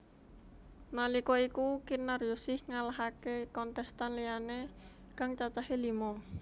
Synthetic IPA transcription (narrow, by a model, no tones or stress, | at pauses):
nalikɔikukinarjusɪhŋalaɦakekɔnt̪ɛst̪anlijane | kaŋt͡ʃat͡ʃaɦelimɔ